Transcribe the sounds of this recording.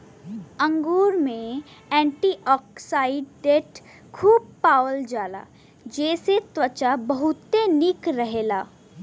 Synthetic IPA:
ə̃ŋɡuːɾmẽɛ̃ːɳʈiːʔɔːksaːɪɖːeːʈ | kʰuːb̚paːwəld͡ʒaːla̰ː | d͡ʒɛːset̪wət͡ʃabɐɦʊt̪ːenɪkɾəɦeːlaː

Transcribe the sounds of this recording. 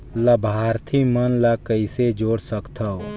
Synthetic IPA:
ləbʱaːɾt̪ʰimənlakəised͡ʒoːɽsəkt̪ʰə

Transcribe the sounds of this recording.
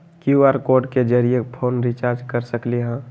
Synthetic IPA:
kjuaɾkoːɾɖked͡ʒəɾijepʰoːnɾit͡ʃaːɾd͡ʒkəɾsəklieɦãː

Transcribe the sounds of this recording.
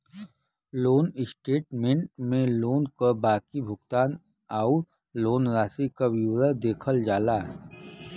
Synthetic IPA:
loːnɪsʈeːʈmẽɳʈ̚mẽloːnkobaːkibʱʊɡt̪aːn | aːʊ | loːnɾaːsikawuɾəd̪eːkʰəld͡ʒaːlaːɦɛ

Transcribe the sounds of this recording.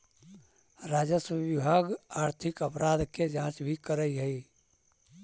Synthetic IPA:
ɾad͡ʒəswəbibʱaɡaːɾt̪ʰikəpɾad̪ked͡ʒãt͡ʃbʱikəɾəɦəj

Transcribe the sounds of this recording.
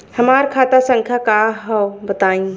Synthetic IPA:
həmaɾkʰat̪asə̃ŋkʰjakaɦɔbət̪aːĩ

